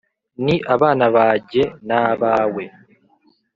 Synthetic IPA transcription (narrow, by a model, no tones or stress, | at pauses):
niʔaβaːnaβaːɟe̞naβaːwe